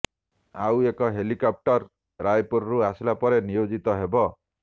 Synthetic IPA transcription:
awekɔɦelikɔp̚ʈɔɾ | ɾajpoɾɔɾuasilapɔɾenijod͡ʒit̪ɔɦebɔ

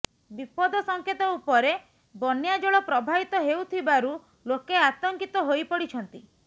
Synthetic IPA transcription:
bipɔd̪ɔsɔŋket̪ɔupɔɾe | bɔnjad͡ʒɔɭɔpɾɔbʱabit̪ɔɦeut̪ʰibaɾu | lokeat̪ɔŋkit̪ɔɦojpɔɽit͡ʃʰɔnt̪i

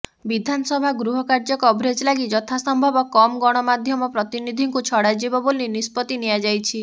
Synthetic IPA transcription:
bid̪ʱanɔsɔbʱaɡɾuɦɔkaɾd͡ʒɔkɔːbʱɾed͡ʒlaɡid͡ʒɔt̪ʰasɔmbʱɔbɔkɔmɡɔɽ̃ɔmad̪ʱjɔmɔpɾɔt̪inid̪ʱiŋkut͡ʃʰɔɽad͡ʒibɔbolinispɔt̪inijad͡ʒajt͡ʃʰi

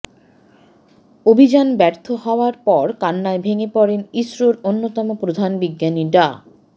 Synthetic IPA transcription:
obʱid͡ʑanbɛɾt̪ʰohɔoaɾpɔɾkanːaebʱeŋepɔɾeniʃɾoɾonːot̪ɔmopɾod̪ʱanbiɡːaniɖa

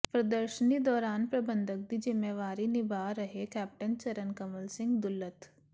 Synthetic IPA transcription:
pɾəd̪əɾʃənid̪ɔːɾaːnpɾəbə̃nd̪ʱək̚d̪id͡ʒɪmeːʋaːɾinɪbʱaːɾəɦekɛːp̚ʈənt͡ʃɐɾənkəməlsɪ̃ŋɡd̪ʊlːət̪

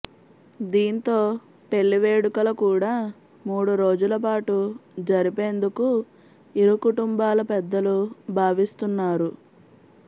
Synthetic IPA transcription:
d̪iːnt̪o̞ː | pe̞ɭːiʋe̞ːɽukɐlɐkuːɽaː | muːɽuɾo̞ːd͡ʒulɐpaːʈud͡ʒɐɾipe̞ːnd̪uku | iɾukuʈumbaːlɐpɛd̪ːɐlubʱaːʋist̪unːaːɾu

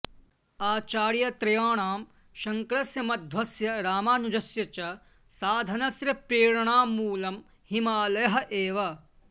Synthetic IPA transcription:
aːt͡ʃaːɾjɐt̪ɾɐjaːɳaːm | ʃɐŋkɾɐsjɐmɐd̪ʱʋɐsjɐɾaːmaːnud͡ʒɐsjɐt͡ʃɐ | saːd̪ʱɐnɐsɾɐpɾeːɾɐɳ̃aːmuːlɐm | himaːlɐjɐɦɐ̆ʔeːʋɐ

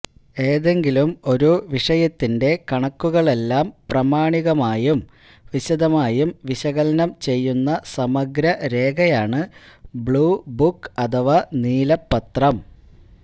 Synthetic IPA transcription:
e̞ːðe̞ŋɡilumo̞ɾuʋiʂɐjɐt̪ːinde̞kɐɳɐkːuɣɐɭe̞lːaːmprɐmaːɳiɣɐmaːjum | ʋiɕɐd̪ɐmaːjumʋiɕɐɣɐlɐnɐmt͡ɕe̞jːunːɐsɐmɐɡɾɐɾe̞ːɡɐjaːɳɨbɭuːbukːɐt̪ʰɐʋɐniːlɐpːɐt̪rɐm

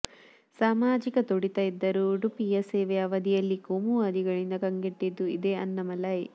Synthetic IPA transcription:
saːmaːd͡ʒikɐt̪oɽit̪ɐid̪ːɐɾuɖupijɐseːʋeɐʋɐd̪ijɐlːikomuɐd̪iɡɐɭind̪ɐkɐŋɡiʈːid̪ːuid̪eɐnːɐmɐlɐj

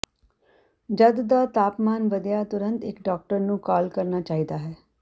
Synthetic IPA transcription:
d͡ʒəd̪d̪aːt̪aːpmaːnʋəd̪jaːt̪ʊɾənt̪ɪkɖɔːk̚ʈəɾnũːkaːlkəɾnaːt͡ʃaːɦiːd̪aːɦɛː

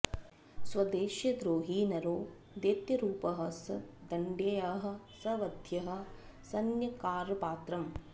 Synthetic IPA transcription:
sʋɐd̪eːʃjɐd̪ɾoːɦiːnɐɾoː | d̪eːt̪jɐɾuːpɐɦɐ̆sɐd̪ɐɳɖeːjaːɦɐ̆ | sɐʋɐd̪ʱjɐɦɐ̆sɐnjɐkaːɾpaːt̪ɾɐm

